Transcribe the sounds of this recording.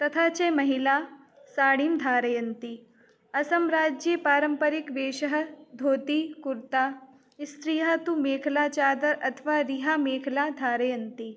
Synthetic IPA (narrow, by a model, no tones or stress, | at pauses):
t̪ɐt̪ʰaːt͡ʃemɐɦilaː | saːɽimd̪ʱaːɾɐjɐnt̪i | ɐsɐmɾaːd͡ʒjipaːɾəmpəɾɪkʋeːʃəɦə̆d̪ʱoːt̪ikuɾt̪aː | st̪ɾiːɦaːt̪umeːkʰlaːt͡ʃaːd̪ɐɾɐt̪ʰʋaɾiɦameːkʰlaːd̪ʱaːɾɐjɐnt̪i